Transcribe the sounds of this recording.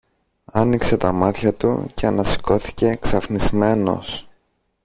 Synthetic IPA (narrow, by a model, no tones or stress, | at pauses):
ɐnikse̞t̪ɐmɐt̪çɐt̪ṵce̞ɐnɐsi̥ko̞θi̥ce̞ksɐfnizme̞no̞̰s